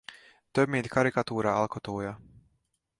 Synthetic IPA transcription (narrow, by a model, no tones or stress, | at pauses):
t̪ømiːd̪kʰaɾikat̪uːɾaːalˠkɔt̪uːjaː